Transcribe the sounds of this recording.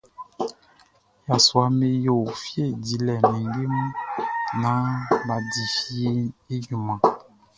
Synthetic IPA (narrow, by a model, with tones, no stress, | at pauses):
ja˨swa˨me˨jo˨fje˦˨di˨˦lɛ˨me˨ŋɡe˦mũ˦nã˨˦ba˨di˨fi˦e˦e˦ju˨mã˨